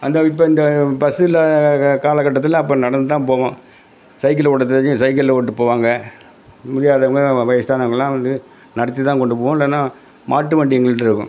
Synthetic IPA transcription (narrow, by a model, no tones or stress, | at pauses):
ɐnd̪ɐɪpːɐɪnd̪ɐpɐsɯɪlɐkaːlɐkːɐʈːɐt̪ːɪlɐ̃ɐp̬ːɐ̃nɐɽɐnd̪ɯt̪ːãːpoːʋõ | sɐɪk̬ːɐlpɔɽɐt̪ːɐɐɯ̃sɐɪk̬ːɐlloːʈːɯpoːʋaːŋɡɐ | mʊɽɪjaːðɐʋɐŋɡɐʋɐjɐst̪aːnɐʋɐŋɡɐɭlːãːʋɐnd̪ɯ | nɐɽɐt̪ːit̪ːãːkɔɳɖɯp̬oːʋɐ̃ɪlːɛnːaː | mʔaːʈːɯʋeːɳɖɪɛŋɡɐɭɯʈːɪɾɯkːʊ̰̃